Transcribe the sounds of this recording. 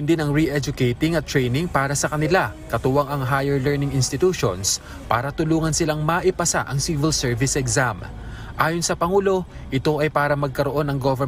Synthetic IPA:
nd̪inɐŋɹiʔɛd͡ʒʊkɛjt̪ɪŋɐt̪ːɾɛjnɪŋpaːɾɐsɐkɐnɪlakɐt̪ʊwɐŋɐŋɦajɛɹlɛɹnɪŋɪnst̪ɪt̪uːʃo̰ns | pa̰ːɾɐt̪ʊluːŋɐnsɪlaŋmɐʔɪpɐsa̰ʔɐŋsivɪlsɛɹvɪsɛɡzam | ʔaːjonsɐpɐŋuːlo̞ | ʔɪt̪o̞ʔɐjpaːɾɐmɐɡ̚kɐɾoʔo̞nɐŋɡovɛ

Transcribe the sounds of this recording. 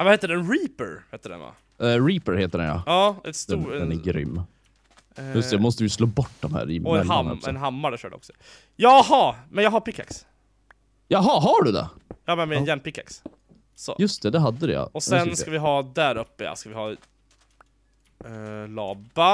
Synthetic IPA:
vahɛːt̪ːəɖɛnɾiːpəɾheːt̪əɖɛ̰nva̰ | ɾiːpəɾheːt̪əɖɛ̰njɑ̰ɑːɛ̰t̪st̪uːɛɛnɛɡɾʏ̰mː | jɵst̪ɛjamɔst̪əjɪsloːbɔʈːd̪ɔmhæ̰ːɾɪ̰ɔɛhaɛ̰nɦamːaɖɛʃœ̰ːɖɛ̰ɔ̰ksɔ | jɑɦɑmɛnjɑːɡɦaɾpɪkːa̰ks | jɑɦɑɦɑɖʉd̪ɛ̰jɑːmɛnmɛnjɛnːpɪkːa̰ks | sɔ̰jɵst̪ʰɛd̪ɛɦad̪ːəd̪ɛjɑ̰ɔsɛnskavɪɦɑːd̪æɾɵpːəa̰skavɪhɑː | lɑːba

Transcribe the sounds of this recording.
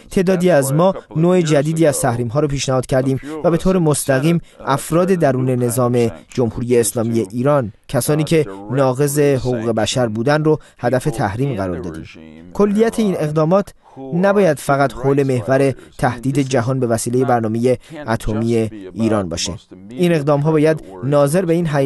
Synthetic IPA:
t̪ʰe̞ːd̪ɒːd̪iːæzmɒːnoːed͡ʒæd̪iːd̪iːæz̥t̪ʰæhɾiːmɦɒːɾɔːpʰiːʃnæhɒːd̪̥cʰæɾd̪iːmvæbe̞t̪ʰoːɾe̞most̪æɣiːmʔæfɾɒːd̪e̞d̪æɾuːne̞nezɒːme̞d͡ʒomhuɾiːje̞ːslɒːmiːje̞ʔiːɾɒːncʰæsɒːniːcʰe̞nɒːɣe̞ze̞hoɣuːɣe̞bæʃæɾbuːd̪ænrohæd̪æfe̞t̪ʰæhɾiːmɢæɾɒ̰ːɾd̪ɒ̰ːd̪ḭːmkʰo̞lːijæt̪ʰeiːne̞ɣd̪ɒːmɒːt̪ʰ | næbɒːjæd̪̥fæɣæt̪ʰhoːle̞me̞hvæɾe̞t̪ʰæhd̪̥iːd̪e̞d͡ʒæɦɒːnbe̞væsiːle̞je̞bæɾnɒːmejeæt̪ʰomiːje̞iːɾɒːnbɒ̰ːʃḛ | ine̞ɣd̪ɒːmɦɒːbɒːjæd̪nɒːze̞ɾbe̞iːnɦæ

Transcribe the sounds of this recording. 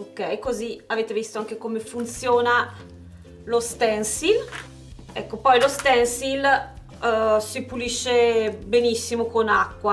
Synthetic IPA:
okɛjkoziaveːt̪evist̪oaŋk̟ekomefunt̪sjoːna | lost̪ɛnsil | ɛ̰kːopɔjlost̪ɛnsil | sipuliʃːebenisːimokonakːwa

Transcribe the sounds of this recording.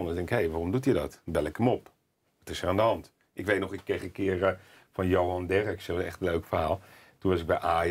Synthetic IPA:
nədɪŋkɪkhejʋaːromdutjədɔtbɛlˠɪkəmɔp | ətɪsəandəɦɑnt | ʔɪkʋeːtnɔχɪkːeχəkɪər | fɔnjowɑndɛrəksɛsɛ̰χtən̩løɥkfərɦaːlˠ | tunʋɑsɪɡ̚bɛjʔaː

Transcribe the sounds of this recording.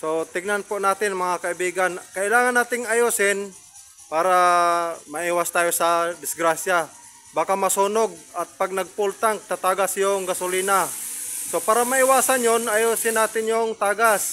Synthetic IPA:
sot̪ɪɡnanpʊnaːt̪ɪnmɐŋakaɪbiːɡankɐʔɪlaːŋanːaːt̪ɪŋajosɪn | paːɾa | mɐʔiːwast̪aːjosad̪ɪsɡɾasja | baːkamɐsuːnoɡ̚at̪̚paɡ̚naɡ̚pult̪aŋt̪at̪aːɡasjoŋɡasʊliːnasopaːɾamaɪwaːsanjonajosɪnːaːt̪ɪnjoŋt̪aːɡas

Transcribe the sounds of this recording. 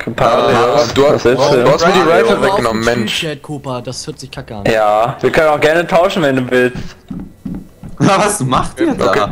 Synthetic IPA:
kʰpʰaʁid̥uːhaashɪssduuːhastmiɐdiːʁaɪtɐvɛk̚ɡ̥ənɔmm̩mɛnʃɛkʰupɐdashøɐtz̥ɪçkʰakəanjaːviːɐkʰœnənaʊxɡ̥ɛɐnətʰaʊʃn̩vɛnduːvɪlst | avasmaχtiːɐʔo̰kʰeː

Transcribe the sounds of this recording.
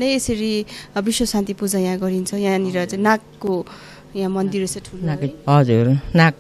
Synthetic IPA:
nʌjesʌɾibiswʌsãnt̪ipud͡zajãɡʌɾint͡sʰʌjãniɾʌt͡sãnãkːo | jãmʌnd̪iɾesʌʈʰunʌd͡zuɾnak̚

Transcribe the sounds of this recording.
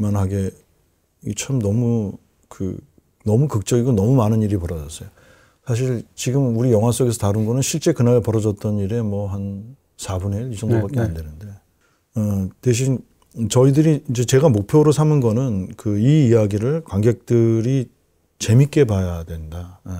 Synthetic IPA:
manɦaɡe̞ | it͡ɕʰamnʌmu | kɯ̰ | nʌmukɯk̚t͡ɕ͈ʌɡiɡonʌmumanɯniɾipʌɾʌd͡ʑʌs͈ʌjo | sʰaɕ̬ʰiɭt͡ɕiɡɯmuɾijʌŋɦwas͈ʌɡe̞sʰʌtaɾɯnɡʌnɯnɕʰiɭt͡ɕ͈e̞kɯnaɾpʌɾʌd͡ʑʌt̚t͈ʌniɾe̞mwʌɦan | sʰabuneisʌŋdobak͈eandwe̞nɯnde̞ | ʌtweɕ̬ʰin | t͡ɕʌidɯɾiind͡ʑe̞t͡ɕe̞ɡamok̚pʰjoɾosʰamɯnɡʌnɯnkɯiːjaɡiɾɯɭkwaŋɡek̚t͈ɯɾi | t͡ɕe̞mik͈e̞pajadwe̞nda

